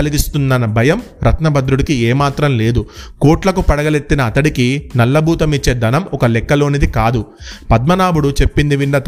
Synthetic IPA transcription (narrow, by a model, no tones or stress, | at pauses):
ɐliɡist̪unːɐnɐbʱɐjɐm | ɾɐt̪nɐbʱɐd̪ɾuɽikieːmaːt̪ɾɐmle̞ːd̪ukoːʈlɐkupɐɽɐɡɐle̞t̪ːinɐːt̪ɐɽikinɐlːɐbʱuːt̪ɐmit͡ʃːe̞ːd̪ɐnɐmɔkɐlɛkːɐlo̞ːnid̪ikaːd̪upɐd̪mɐnaːbuɽut͡ʃe̞pːind̪iʋiɳɖɐt̪